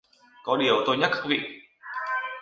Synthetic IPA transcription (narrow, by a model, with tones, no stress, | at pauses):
kɔ˨˦ɗi˨˩əwt̪o˧jɲa˦˥t̚kaː˦˥k̚vḭ˧˨